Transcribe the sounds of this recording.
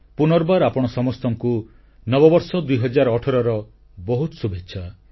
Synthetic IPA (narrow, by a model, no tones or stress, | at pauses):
punɔɾbaɾapɔɽ̃ɔsɔmɔst̪ɔŋku | nɔbɔbɔɾsɔd̪ujɦɔd͡ʒaɾɔʈʰɔɾɔɾɔ | bɔɦut̪ɔsubetːʃʰa